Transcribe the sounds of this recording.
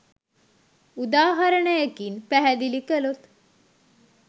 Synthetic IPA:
ud̪aːɦɐɾɐɳəjakinpæɦæd̪ilikəlut̪

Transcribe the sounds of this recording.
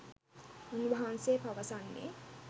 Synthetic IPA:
unubɐɦanseːpɐʋɐsanːḛ

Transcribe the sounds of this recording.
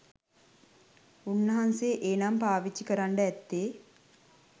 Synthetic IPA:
unːɐɦanseːʔeːnampaːʋit͡ʃːikəɾaɳɖəɛt̪ːeː

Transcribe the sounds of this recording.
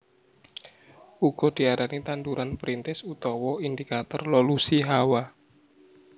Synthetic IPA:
uɡ̥ɔ̤d̪̥i̤aɾanit̪and̪uɾanpɾint̪ɪsut̪ɔwɔind̪ikat̪ɔrlolusiɦawa

